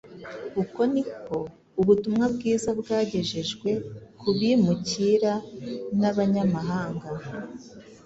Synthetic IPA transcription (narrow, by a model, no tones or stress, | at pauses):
kuko̞niko̞ | uβutumŋabɡiːzabɡaːɟe̞ʒeʒɡwe̞kʰuβimuciɾanaβaɲamaɦaːŋɡa